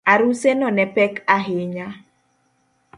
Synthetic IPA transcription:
aɾusenɔnɛpɛkaɦɪɲa

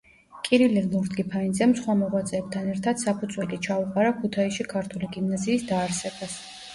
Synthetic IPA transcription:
kʼiɾililuɾd̪ɡipʰaind̪zɛmsχwamɔʁwat̪sʼɛːb̚t̪ʰanɛɾt̪ʰad̪̥sapʰud̪z̥wɛkʼit͡ʃʰauqʼaɾakʰut̪ʰaisʃikʰaɾt̪ʰuliɡimnaziːsd̪aːɾsɛbas

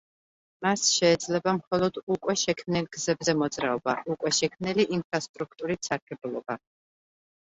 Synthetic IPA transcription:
masʃɛːd̪zlɛbamχɔlˠɔd̪̥ukʼwɛʃɛkʰmnilˠɡzɛbzɛmɔd̪zɾaɔba̰ʔukʼwɛʃɛkʰmniliʔinpʰɾast̪ʼɾuk̚ʰt̪ʼuɾit̪saɾkʰɛbulˠɔba

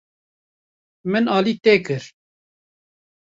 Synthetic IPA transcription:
mɨnɑːliːt̪eːkɨɾ

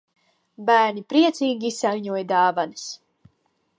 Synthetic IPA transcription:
bæːɾnʲipɾiɛt̪siːɡʲiisalʲɲuɔjd̪aːvanɨs

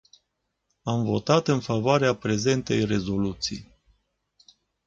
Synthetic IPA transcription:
amvo̞t̪at̪ɨnfavoaɾeapɾe̞ze̞nt̪e̞jre̞zo̞lut̪sḭj

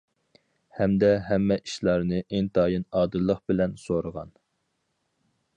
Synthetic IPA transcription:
hɛmd̪ɛɦɛmːɛʔiʃlˠɑɾnɨʔeŋt̪ʰɑːjɨnɑːd̪ɨlˠːəχbɪlɛnsoɾəʁɑ̰n

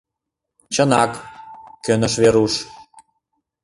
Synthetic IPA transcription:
t͡ɕə̆nɑkkʲønə̆ʃveɾuʃ

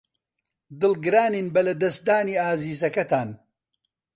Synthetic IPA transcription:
d̪ɨlɡɨɾaːniːnbɐlɐd̪ɐsd̪aːniːaːziːzɐkɐt̪ʰaːn

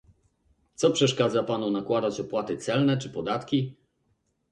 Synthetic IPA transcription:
t̪sɔpʂɛʂkad̪zapanunakwad̪at͡ɕɔpwat̪ɘt̪sɛlnɛt͡ʂɘpɔd̪at̪kʲi

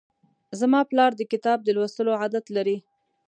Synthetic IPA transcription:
zamɑplɑɾd̪əkɪt̪ɑb̚d̪əlwast̪əloʕad̪at̪laɾi

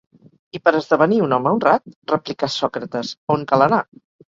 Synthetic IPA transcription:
ipəɾəzðəβəniunɔməunrat̪̚rəplikasɔkɾət̪əzoŋkaləna

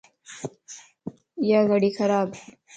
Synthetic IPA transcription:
jaːɣɐɽiːxɐɾaːb

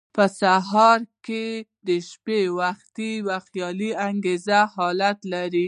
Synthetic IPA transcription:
pəsaɦɑɾked̪əʃpewaxt̪iwaxt̪jɑliaŋɡezahɑlat̪laɾi

